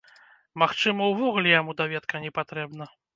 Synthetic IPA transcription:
maxt͡ʂɨmɐwvɔɣulʲɛjamud̪avʲɛt̪kɐnʲɛpat̪ɾɛbnɐ

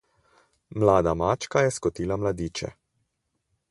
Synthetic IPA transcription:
mlaːd̪amaːt͡ʃkajɛskɔt̪iːlamlad̪iːt͡ʃɛ̰

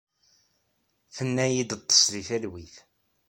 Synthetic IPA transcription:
θənːæjid̪t̪ˤːə̥sliθælwiθ

